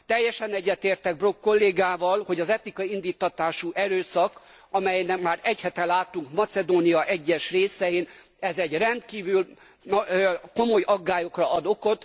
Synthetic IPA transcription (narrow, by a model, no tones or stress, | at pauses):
t̪ɛjːɛʃɛnɛɟːɛt̪eːrt̪ɛɡ̚bro̞kːo̞lːeːɡaːvɒlho̞ɟɒzɛt̪ikɒind̪iːt̪ːɒt̪aːʃuʔɛɾøːsɒk | ɒmɛjnɛkmaːɾɛchɛt̪ɛlaːt̪uŋkmɒt̪sɛd̪oːnijɒʔɛɟːɛʃreːsɛjin | ɛzɛɟrɛnt̪kiːvyl | nko̞mo̞jɒɡːaːjo̞krɒɒd̪o̞ko̞t̪